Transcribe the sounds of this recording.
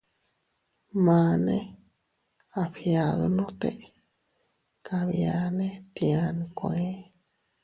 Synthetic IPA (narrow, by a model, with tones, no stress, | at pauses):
mã˧nẽ | a˨ɸja˨ðonõ˦t̪ḛ˧ | kʰaβja˧nẽ˦t̪ia˧nkoe˦